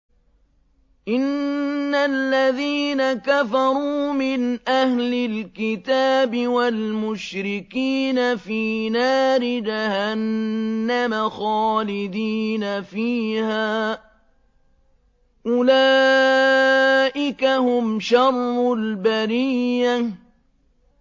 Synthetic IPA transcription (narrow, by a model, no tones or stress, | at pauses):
ʔɪnːalːaðiːnakafɑɾˤuːmɪnʔahlɪlkɪt̪aːbɪwalmʊʃɾɪkiːnafiːnaːɾɪd͡ʒahanːamaxɑːlɪd̪iːnafiːhaː | ʔʊlaː | ʔɪkahʊmʃɑrˤːʊlbaɾiː